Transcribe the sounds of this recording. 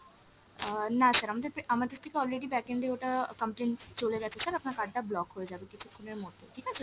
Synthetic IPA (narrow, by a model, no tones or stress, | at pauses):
ənasɐɾɐmd̪epeʔɐmat̪ɪst̪ʰːikeɔːlɾeːɖibɛːkẽɳɖ̪eoːʈakɐ̃mpʈẽːɳʈt͡ʃoːleɾɛɦt̪ʰesɐɾɐpnakaːɖɖ̪ablɔːkɦoed͡ʒaːd̪ekɪsʰikʰunemoːt̪eʈʰiːkɛs